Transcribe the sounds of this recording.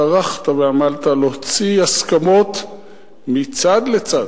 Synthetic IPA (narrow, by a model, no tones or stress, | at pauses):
aʁaχt̪aveamalt̪aloot͡siaskamo̞t̪ | mit͡sad̪let͡sad